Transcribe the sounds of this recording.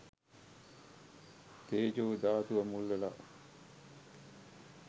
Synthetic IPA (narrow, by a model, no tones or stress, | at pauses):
t̪eːd͡ʒoːd̪aːt̪uʋɐmulːela̰ʔ